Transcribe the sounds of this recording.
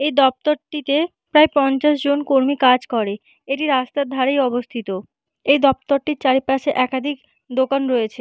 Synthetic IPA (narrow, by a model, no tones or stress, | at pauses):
ejd̪ɔp̚t̪oɾʈit̪e | pɾaepɔnt͡ɕaʃd͡ʑonkoɾmikad͡ʑkɔɾe | eʈiɾast̪ad̪ʱaɾejɔbost̪ʰit̪o | ejd̪ɔp̚t̪oɾʈiɾt͡ɕaɾipaʃeʔɛkad̪ʱik | d̪okanɾoet͡ɕʰe